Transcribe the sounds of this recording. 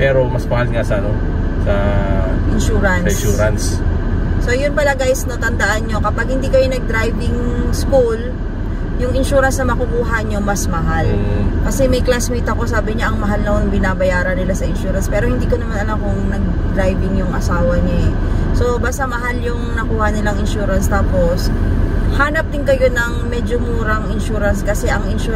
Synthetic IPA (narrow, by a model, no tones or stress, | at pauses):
pɛːɾo̞mɐsmɐhalŋasɐʔɐno | sɐ | ʔɪnʃuːɾɐnsʃuːɾɐnsː | o̞jʊnpɐlɐɡajsnot̪ɐnd̪ɐʔanɲo̞kɐpaɡ̚hɪnd̪iːkɐjonɐɡ̚d̪ɾajvɪŋskul | jʊŋʔɪnʃuːɾɐnsnɐmɐkʊkuːɦɐɲomɐsmɐɦalkɐsɛmɐjklasmiːt̪ɐko̞saːbɪɲaʔɐŋmɐɦalnɐonɐŋbɪnaːbɐjaːɾɐnɪlasɐʔɪnʃuːɾɐnspɛːɾo̞hɪnd̪iːkonɐmanɐlamkʊŋnɐɡ̚ | d̪ɾajbɪŋjʊŋʔɐsaːwɐɲoɛ | so̞baːst̪ɐmɐɦaljʊŋnɐkuːhɐnɪlaŋɪnʃuːɾɐnst̪aːpo̞shaːnɐp̚d̪ɪŋkɐjo̞nɐŋmɛːd͡ʒomuːɾɐŋɪnʃuːɾɐnskɐsɛʔɐŋɪnʃu